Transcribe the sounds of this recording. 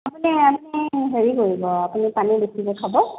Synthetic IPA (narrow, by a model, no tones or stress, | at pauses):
apuniamniɦeɹikoɹibɔapunipanibesibɔkʰabɔ